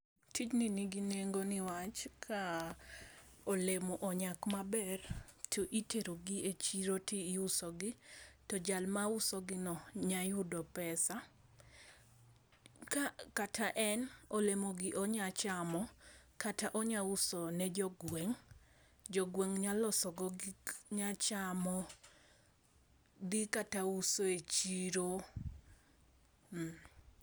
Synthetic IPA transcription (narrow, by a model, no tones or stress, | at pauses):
tʰit͡ʃniniɡineŋɡonɪwat͡ʃkʰa | olemoʔɔɲakmabɛrtʰoʔiteɾoɡɪet͡ʃiɾotiːusɔɡɪtɔd͡ʒalmaʊsɔɡɪnɔɲajʊdɔpɛsa | akatʰaʔɛnolemoɡɪʔɔɲat͡ʃamɔkataʔɔɲausɔnɛd͡ʒɔɡwɛŋ | d͡ʒɔɡweŋɲalɔsɔɡɔɡɲat͡ʃamɔ | d̪ikatausoet͡ʃiɾo | m̩